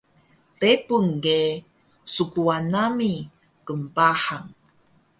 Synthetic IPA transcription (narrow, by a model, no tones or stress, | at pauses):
tepuŋɡe | sukuanami | kəmpaħaŋ